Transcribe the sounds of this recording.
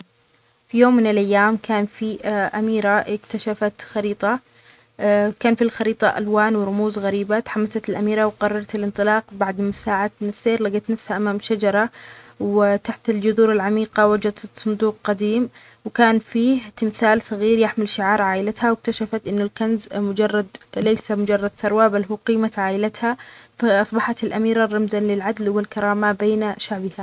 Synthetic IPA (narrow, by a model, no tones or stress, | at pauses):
fijoːmːɪnɪlʔajːaːmkʰaːnfiʔamiːɾaɪkt̪aʃafat̪xɑɾiːt̪ˤɑ | kaːnfilxɑɾiːt̪ˤɑʔa̰lwaːnwɪɾˤʊmuːzɣaɾiːbat̪ħamːasat̪ɪlʔamiːɾɑwqɑrˤːɑɾˤɑt̪ɪlʔɪnt̪ˤɨlɑːqbaʕd̪mʊsaːʕat̪mɪnɪsːeːɾlaɡat̪nafshaʔamaːmʃad͡ʒɑɾˤɑwɪt̪aħt̪ɪld͡ʒʊðuːɾɪlʕamiːqawad͡ʒad̪sˤʊnd̪uːq̚qad̪iːm | wkaːnfiːht̪ɪmθaːlsˤɑɣiːɾjɪħmɪlʃɪʕɑːɾˤʕaːʔɪlat̪hawɪk̚t̪aʃafat̪ʔɪnːʊlkanzmʊd͡ʒɑrˤːɑd̪lejsamʊd͡ʒɑrˤːɑd̪θɑɾˤwabalːɦuːqiːmat̪ʕaːʔɪlat̪hafaʔɑsˤbɑħɑt̪ɪlʔamiːɾarˤːɑmzalɪlʕad̪lwɪlkɑɾˤɑːmabeːnʃaʕbɪha